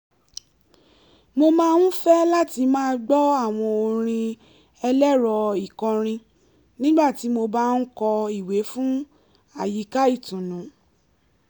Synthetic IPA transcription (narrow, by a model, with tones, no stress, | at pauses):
mo˧mãː˦˧n̩˦fɛ˦la˦ti˧mãː˦ɡ͡bɔ˦a˦˨w̃ɔ̃˧o˧ɾ̃ĩ˧ | ɛ˧lɛ˦ɾɔ˧i˨kɔ̃˧ɾ̃ĩ˧ | nĩ˦ɡ͡ba˦˨ti˨˦mo˧ba˦n̩˦kɔ˧i˦˨we˨˦fũ˦ | a˦˨ji˨˦ka˦i˦˨tũ˨nũ˨˦